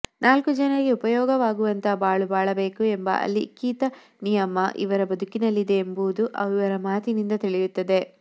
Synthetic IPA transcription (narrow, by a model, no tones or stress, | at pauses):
naːlkud͡ʒɐnɐɾiɡe̞upɐjɔːɡɐʋaːɡuʋɐnt̪ʰɐbaːɭubaːɭɐbe̞ːkue̞mbɐ̰ʔɐ̰lːḭkiːt̪ɐ | nijɐmːɐʔḭʋɐɾɐbɐd̪ʱukinɐlːid̪e̞ːmbud̪uʔɐ̰ʋiʋɐɾɐmaːt̪inind̪ɐt̪iɭijut̪ːɐd̪e̞